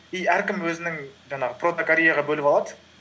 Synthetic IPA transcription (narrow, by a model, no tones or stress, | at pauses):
ijæɾkʲɪmwɵzɪnɪŋʒɑɴɑʁəpro̞t̪okaɾʲejɑʁɑbɵlɪpɑlˠɑd̪ə